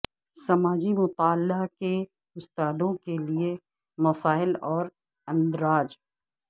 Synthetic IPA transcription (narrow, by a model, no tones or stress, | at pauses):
sɐmaːd͡ʒimʊt̪aːlːake | ɡʊst̪aːd̪õkelie | mɐsaːɪlɔːɾ | ɐ̃nd̪ɾaːd͡ʒ